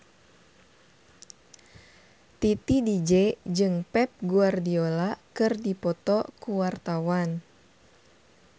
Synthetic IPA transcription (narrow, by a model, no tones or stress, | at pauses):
t̪it̪idid͡ʒɛd͡ʒɨŋpɛp̚ɡuardiolakɨrdipɔt̪ɔkuwart̪awan